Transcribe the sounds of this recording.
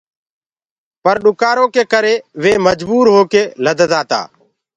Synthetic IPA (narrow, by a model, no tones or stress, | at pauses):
pəɾɗʊkaːɾõːkeːkəɾeːʋeːməd͡ʒbuːɾɦoːkeːləd̪ʱəzaːt̪a̰ː